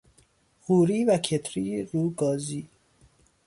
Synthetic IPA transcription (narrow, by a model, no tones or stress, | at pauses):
ɣuːɾiːvækʰet̪ʰɾiːɾuːɡɒːziː